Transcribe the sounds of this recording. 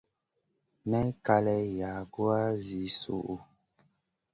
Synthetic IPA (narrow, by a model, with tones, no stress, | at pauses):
mɛ˦ka˦lɛ˦ja˨ɡu˦a˦zi˨˦sṵ˦˨ʔu˨